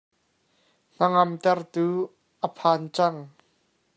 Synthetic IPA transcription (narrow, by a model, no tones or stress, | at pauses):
n̥ɐŋɐmt̪ɛrt̪uː | ʔəpʰaːnt͡sɐŋ